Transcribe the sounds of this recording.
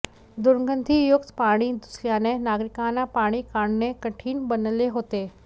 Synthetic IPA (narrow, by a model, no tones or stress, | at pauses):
d̪ʊɾɡə̃nd̪ʱijʊkt̪paːɽ̃id̪ʊsɾijaːnẽnaːɡɾɪkaːnapaːɽ̃ikaːɳ̃nẽkɐʈʰiːnbɐnəleɦoːt̪eː